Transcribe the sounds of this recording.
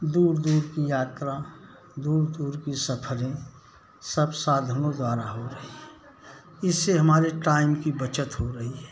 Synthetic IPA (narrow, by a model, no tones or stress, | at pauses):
d̪uːɾd̪uːɾkijaːt̪ɾa | d̪uːɾd̪uːɾkisəpʰəɾẽ | səbsaːd̪ʱənod̪waːɾaɦoɾɐɦiɦɛː | ɪsːeɦɐmaːɾeʈaːɪmkibət͡ʃət̪ɦoɾɐɦiɦɛː